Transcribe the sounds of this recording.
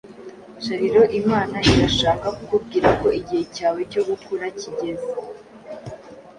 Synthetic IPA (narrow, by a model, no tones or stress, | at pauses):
ʃaɾiɾo̞ʔimaːnaiɾaʃaːkakukub̚ɡiːɾako̞iɟihe̞caːwe̞co̞ɡukuɾaciɟe̞ze